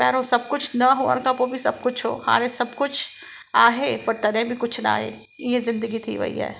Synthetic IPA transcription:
pɛːɾosɐb̚kʊt͡ʃʰnɐɦoɐ̰ɾkapobʱisɐb̚kʊt͡ʃʰɦo̰ːha̰ːɾesɐbkʊt͡ʃʰ | aːɦepɐɾt̪ɐnẽbʱikʊt͡ʃʰna̰ːɦḛ | jezɪ̃nd̪əɡit̪ʰḭʋɐ̰ɦḭɦɛ̰ː

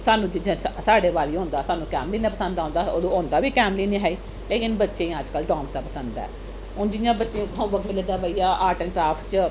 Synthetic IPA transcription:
saːnːũːd͡ʒɪd͡ʒãːsaːɖeːʋaːliːɦõːnd̪aːsaːnːũːkɛːmliːnaːpəsə̃nd̪aːõnd̪aːoːd̪õːõːnd̪aːbiːkɛːmliːnĩɦɛːiː | leːkɪnbətːʃẽːəd͡ʒkəlɖɔ̃ːmsd̪aːpəsə̃nd̪d̪a̰ː | ɦʊnd͡ʒɪjãːbətːʃeːũːkʰə̃bəkmɪleːd̪aːbəijaːʔaːɾʈənɾaːpʈt͡ʃ

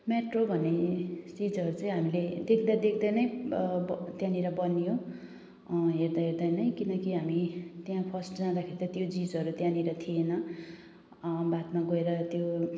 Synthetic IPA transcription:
meʈrobʱʌnesid͡zʌɾut͡sʌĩɦamiled̪ekʰd̪ad̪ekʰd̪ʌjnʌjbt̪jãniɾʌbʌnːijo | ɦerd̪aɦeɾd̪ʌjnʌjkinʌkiɦamit̪jãpʰʌsʈd͡zãd̪akʰeɾit̪at̪jod͡zid͡zʌɾut̪jãniɾʌt̪ʰienʌ | bat̪maɡʌeɾʌt̪jo

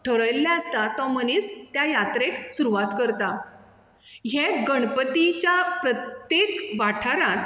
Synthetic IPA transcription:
ʈʰəɾəjlːjaəst̪at̪ɔmənist̪jajat̪ɾeksuɾuʋat̪kəɾt̪a | ɦeɡəɳpət̪it͡ɕjapɾət̪jekʋaʈʰaɾãt̪

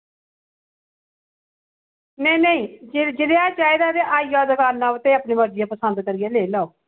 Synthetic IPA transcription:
nɛ̃ːnəĩːd͡ʒd͡ʒɪd̪eːaːt͡ʃaːeːd̪aːt̪eʔaːijaːd̪əkaːlnaːʋt̪eːəːpniːməɾd͡ʒɪjãːpəsənd̪kəɾɪjaːleːlaoː

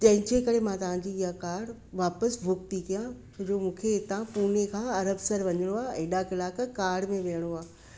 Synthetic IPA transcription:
t͡ɕɐ̃ɦɪ̃ɲd͡ʑekɐɾemãt̪ɐʋ̤ãɲd͡ʑiːiɦakaːɾɽ | ʋaːpəsbʱʊkt̪ikijãsɐd͡ʑoːmũːkʰeɪt̪ãpuːnekʰãːɐɾəbsəɾʋɐɲəɽ̃oaːeɗakɪlaːkəkaːɾɽmẽʋejəɽ̃oaː

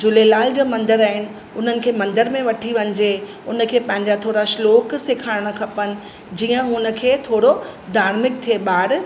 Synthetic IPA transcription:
d͡ʑʊlelaːld͡ʑoːmɐ̃nd̪əɾaːɦɪnɪ̆ | ʊn̤ənɪ̆kʰeːmɐ̃nd̪əɾmẽʋɐʈʰiʋɐɲɪ̆d͡ʑe | ʊnəkʰeːpɐ̃ɦɪ̃ɲd͡ʑat̪ʰoːɽaʃloːkseːkʰaːɪɽɽ̃ə̆kʰɐpənɪ̆ | d͡ʑiːə̃ɦʊnə̆kʰeːt̪ʰoːɽod̪ʱaːɾmɪk̚t̪ʰieɓaːɽ

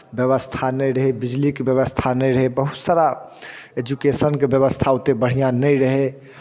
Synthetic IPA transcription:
bjəβəst̪ʰanɛjɾəɦebid͡ʒlikebjəβəst̪ʰanɛjɾəɦebəɦut̪saɾa | ed͡ʒukesənkebjəβəst̪ʰaut̪ebəɽ̤ijãnɛjɾəɦe

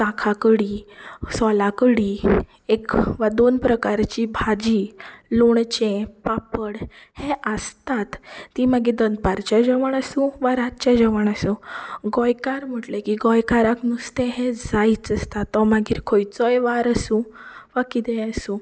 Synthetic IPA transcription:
t̪ãkʰakəɽisɔlakəɽi | ekʋad̪onpɾəkaɾt͡ɕibʱad͡ʑiloɳt͡ɕẽpapəɽ | hẽʔəst̪at̪ːimaɡiːd̪ənd̪̚paɾt͡ɕjad͡ʑəʋəɳəsũʋaɾatt͡ɕad͡ʑəʋəɳəsuɡɔjkaɾm̤əʈlekiɡɔjkaɾaknust̪ẽɦẽd͡zait͡səst̪at̪ːɔmaɡiːɾkʰojt͡sɔjʋaɾəsũʋakit̪ɛ̃əsũ

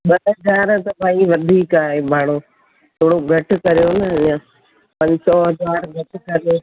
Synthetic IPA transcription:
ɓɐɦɐzaːɾt̪ɐbʱãːiʋɐd̪ʱiːkaːɦemaːɽ̃oː | t̪ʰoːɽoɡʱɐʈ̆kɐɾijoːnɐã | pɐ̃ɲsɔɦɐzaːɾɡʱɐʈkɐɾijoː

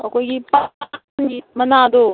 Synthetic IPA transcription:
ɐkoɡipa | nd͡ʒimɐnaːd̪o

